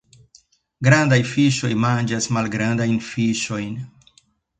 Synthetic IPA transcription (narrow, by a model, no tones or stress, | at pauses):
ɡɾandajfiʃo̞jmand͡ʒasmalɡɾandajnfiʃo̞jn